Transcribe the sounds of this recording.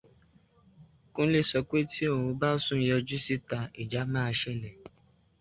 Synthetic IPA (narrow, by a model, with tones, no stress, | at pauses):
kũ˦le˦˨sɔ˧kʷe˦tʰi˦o˦˨ɾũ˧ba˦o˦sũ˦n̩˦jɔ˧d͡ʒu˦si˦ta˧i˨d͡ʒa˨˦mãː˦˧ʃɛ˦˨lɛ˨